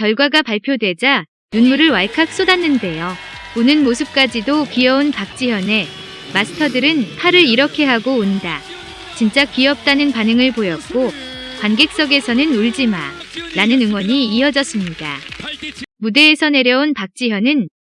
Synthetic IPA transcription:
kjʌɭɡwaɡapaɭpʰjodwe̞d͡ʑa | nunmuɾɯɭwaɭkʰak̚s͈odanːɯnde̞jo | unɯnmosʰɯp̚k͈ad͡ʑidokijʌunpak̚t͡ɕ͈ijʌne̞ | masʰɯ̥tʰʌdɯɾɯnpʰaɾɯɾiɾʌkʰe̞ɦaɡoːnda | t͡ɕint͡ɕ͈ak͈iʌp̚t͈anɯnpanɯŋɯɭpojʌk̚k͈o | kwanɡe̞k̚s͈ʌɡe̞sʰʌnɯnuɭd͡ʑima̰ɾanɯnɯŋwʌɲiːʌd͡ʑʌs͈ɯmɲida | mude̞ːsʰʌne̞ɾjʌunpak̚t͡ɕ͈iɦjʌnɯn

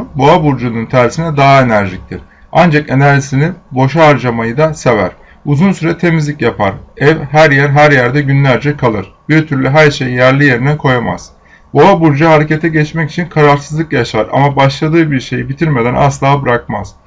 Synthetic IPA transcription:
boabuɾd͡ʒununt̪ʰæɾsinɛd̪aɦae̞næɾʒic̚t̪ʰiɾ̥ | and͡ʒake̞næɾʒisininbo̞ʃaːɾd͡ʒamajɯd̪ase̞væ̰ɾ̥ | uzunsyɾɛt̪ʰe̞mizlʲicjapʰa̰ɾɛvɦæɾjæɾɦæɾjæɾd̪ɛɟynlʲæɾd͡ʒɛkʰalˠɯɾ̥biɾt̪ʰyɾlʲyɦæɾʃejijæɾlʲije̞ɾinɛkʰo̞jama̰z̥ | boabuɾd͡ʒaɦaɾece̞t̪ʰɛɟɛt͡ʃmɛci̥t͡ʃʰinkʰaɾaɾsɯzlˠɯkjaʃaɾa̰mabaʃlˠad̪ɯːbiɾʃe̞jibit̪ʰiɾme̞d̪ænʔa̰slˠaːbɯɾak̚ma̰z̥

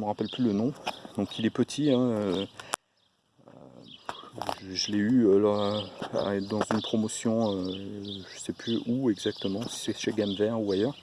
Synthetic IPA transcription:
əməʁapɛlplylənɔ̃d̪ɔ̃kʰilɛpət̪ʰiɛ̃ø | ʒʒəlɛylɔʁa̰ɛd̪ɑ̃zynpχɔmɔsjɔ̃øʒ̥əsɛplyuɛɡzak̚t̪əmɑ̃si̥sɛʃeɡamvɛʁuajœːʁ

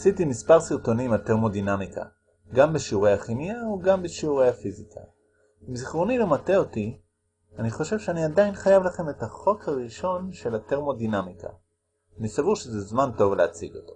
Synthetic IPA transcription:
asitimispaʁsiʁto̞nimateʁmo̞dinamikʰa̰ | ɡambeʃiuʁejhaχimiaoɡambeʃiuʁejhafizikʰa̰ | imziχʁonilemate̞oti | aniχo̞ʃe̞v̥ʃeaniadajinχajavlaχe̞me̞taχo̞khaʁiʃo̞nʃe̞late̞ʁmo̞dinamika̰ | nisavuʁʃezezmanto̞vleat͡sḭɡo̞t̪o

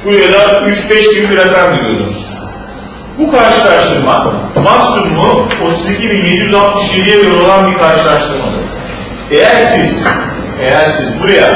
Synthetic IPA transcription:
buɾajad̪ayt͡ʃbɛʃbinbʲiɾak̪anɡiɾijo̞̰ɾunuz̥ | bukʰaɾʃɯlˠaʃʃt̪ɯɾmamaksumlˠuo̞t̪ʰuzicʰibinje̞d̪ijyzalˠt̪mɯʃjed̪ijɛjoɾalˠanbiɾkʰaɾʃɯlˠaɾʃt̪ɯɾma̰nˠɯ̰ | e̞jæɾsiz̥ | ejæɾsizbuɾaja

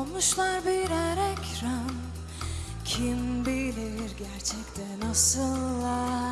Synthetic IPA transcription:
omuʃlˠaɾbiɾaɾɛcʲɾan | cʰimbilʲiɾɟæɾt͡ʃʰɛc̚t̪ʰɛnasɯlˠːa

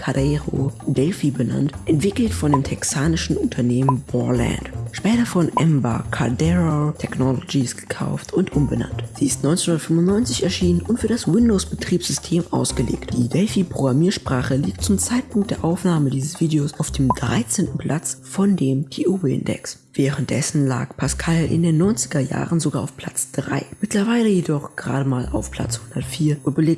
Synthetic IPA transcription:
kʰadɛʁo̰dɛlfibəna̰ntʔɛntv̥ɪkl̩tfɔndeːmtʰɛksaːnɪʃn̩ʊntʰɐneːmənb̥ɔɐla̰ntʃpɛːtɐfɔnʔɛmba̰kʰa̰dɛʁotʰɛknɔlod͡ʒisɡ̥ə̥kʰa̰ʊftʊntʔʊmbəna̰ntz̥iːɪstnɔʏnt͡senhʊndɐtfʏmʊntnɔʏnt͡sɪçɛɐʃiːnənʔʊntfyːɐdaswɪndoʊsb̥ətʁ̥iːpsz̥ʏstʰeːmʔa̰ʊsɡ̥əlḛːktd̥ḭːdɛlfipʁ̥oɡʁamiːɐʃpʁ̥aːχəliːk̚tt͡sʊmt͡saɪtpʰʊŋkt̚d̥eːɐʔaʊfnaːmədiːzəsv̥iːdeosaʊfd̥eːmdʁa̰ɪt͡seːntn̩pʰl̥at͡sfɔndeːmtʰeːʔuːbɪ̰ndɛ̰ks | v̥ɛːʁənt̚d̥ɛsn̩la̰ːkpʰaskʰalʔɪ̰ndeːnːɔʏnt͡sɪ̥ɡɐja̰ːʁənzoɡaːaʊfpʰl̥a̰t͡sd̥ʁa̰ɪmɪtlɐvaɪləjedɔχɡ̥əʁa̰ːɾəmaːla̰ʊfpʰl̥a̰t͡shʊndɐtfiːɐʊbəleːk̚

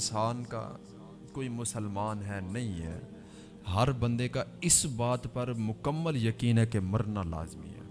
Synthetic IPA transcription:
saːnka̰ | koːimʊsəlmaːnɦɛnɐɦĩɦɛ̰ː | ɦɐɾbɐ̃nd̪ekaɪsbaːt̪pɐɾmʊkəmːəljəkiːnɦɛkemɐɾnala̰ːzmḭɦɛ̰ː

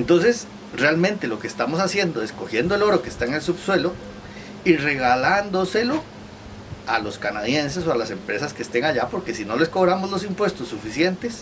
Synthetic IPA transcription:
ent̪o̞ns̬e̞s | realmẽnt̪e̞lokeːst̪amosasje̞nd̪oesko̞xje̞nd̪oelo̞ɾokest̪aeŋels̬uβswe̞lo | ire̞ɣaland̪oselo | alo̞skanaðje̞ns̬esoalase̞mpɾe̞saskeːst̪e̞ŋaʝapo̞ɾke̞sino̞le̞sko̞βɾamozlo̞s̬impwe̞st̪osːufisje̞nt̪es

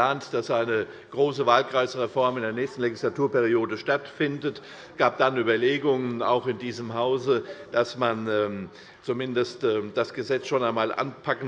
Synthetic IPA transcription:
aːntd̥asʔaɪnə | ɡ̥ʁoːs̬əvaːlkʁ̥aɪsʁ̥efɔɐmɪndeːɐnɛːçstn̩leɡɪslatʰuːɐpeʁioːdəʃtatfɪndət | ɡ̥aːp̚d̥anyːbɐleːɡʊŋəna̰ʊxɪndiːzəmɦaʊzəd̥asmanɛːm | t͡sumɪndəstɛːd̥asɡ̥əzɛt͡sʃoːnaɪnmaːlʔa̰npʰakn

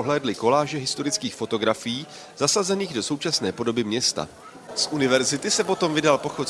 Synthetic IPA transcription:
oɦlɛːdlɪko̞laːʒɛɦɪst̪o̞ɾɪt͡skiːxfo̞t̪o̞ɡɾafɪjiː | zasazɛniːɣdo̞so̞wt͡ʃasnɛ̰ːpo̞do̞bɪmɲɛst̪a̰ | sʔunɪvɛɾzɪt̪ɪsɛpo̞t̪o̞mvɪdalpo̞xot̪

